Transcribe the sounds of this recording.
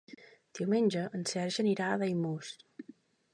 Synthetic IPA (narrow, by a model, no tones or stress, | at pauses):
d̪̥iwmenʲd͡ʒəʔənsɛɾʒəniɾaðəjmus